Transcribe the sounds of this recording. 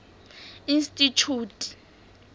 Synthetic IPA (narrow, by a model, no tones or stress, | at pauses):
instʼit͡ʃʰuːtʼi̥